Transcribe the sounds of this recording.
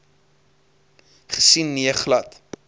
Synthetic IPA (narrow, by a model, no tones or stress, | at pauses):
χə̥sinːiəχlɐt